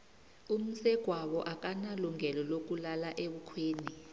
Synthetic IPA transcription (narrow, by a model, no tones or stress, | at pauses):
um̩sɛɡ̥ʱwaɓɔʔak̬ʼanaluŋʱɛlɔlok̬ʼulalaʔeɓukʰweːni